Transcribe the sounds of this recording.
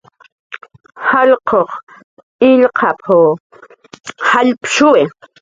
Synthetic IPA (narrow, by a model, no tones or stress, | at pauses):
haʎqʰoχ | ɪʎqʰɑpʰo | haʎpʃʊwɪ